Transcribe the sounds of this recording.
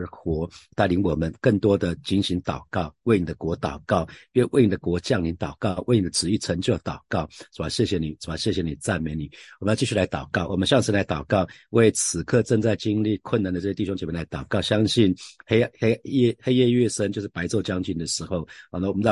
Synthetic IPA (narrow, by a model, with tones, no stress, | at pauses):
xwɔ˧˥t̪a˥˩li˧˥nwɔ˨˩mə˦nkə˥˩ŋt̪wɔ˥d̪ə˨t͡ɕi˧˥nɕi˧˥ŋt̪ɑ˨˩ʊkɑ˥˩ʊwe˥˩ɪni˨˩d̪ə˦kwɔ˧˥t̪ɑ˨˩ʊkɑ˥˩ʊ˥˧nwe˥˩ɪni˨˩d̪ə˦kwɔ˧˥t͡ɕjɑ˥˩ŋli˧˥nt̪ɑ˨˩ʊkɑ˥˩ʊwe˥˩ɪni˨˩d̪ə˧ʈ͡ʂɻ̩˨˩i˥˩t͡sʰə˧˥ŋt͡ɕjo˥˧˩ʊt̪ɑ˨˩ʊkɑ˥˩ʊʈ͡ʂu˨˩a˧˥ɕjɛ˥˩ɕjɛ˧˦ni˨˩ʈ͡ʂu˨˩a˧˦˥ɕjɛ˥˩ɕ̬jɛ˧˥ni˨˩t͡sa˥˩nme˧˥ɪni˨˩wmə˦˥˧t͡ɕi˥˧ɕ̬y˥˨la˧˥ɪt̪ɑ˨˩ʊkɑ˥˩ʊwɔ˨˩mə˦nɕjɑ˥˩ŋʂə˧˥nla˧˥ɪt̪ɑ˨˩ʊkɑ˥˩ʊ | we˥˩ɪt͡sʰɹ̩˨˩kʰɤ˥˧ʈ͡ʂə˥˧ŋt͡sa˥˩ɪt͡ɕi˥ŋli˥˩kʰwə˥˩na˨˦nd̪ə˧ʈ͡ʂɤ˥˩jɛ˥˩i˥˧ɕo˥ŋt͡ɕme˥˧˩la˧˥t̪ɑ˨˩ʊkɑ˥˩ʊɕjɑ˥ŋɕi˥˩nxe˥ɪe˥jɛ˥˧xe˥ɪjɛ˥˧ɥɛ˥˧ʂə˥nt͡ɕjo˧ʂɻ̩˥˩pa˧˥ɪt͡so˥˩ʊt͡ɕjɑ˥ŋt͡ɕy˥˩nd̪ə˩ʂɻ̩˧˥xo˥˩ʊ˧˩na˧wɔ˨˩mə˦n˥˧